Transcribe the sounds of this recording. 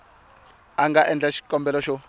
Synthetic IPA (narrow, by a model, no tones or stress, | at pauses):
aŋɡaʔɛnd͡ɮaʃi̥kʼɔmbɛlɔʃɔ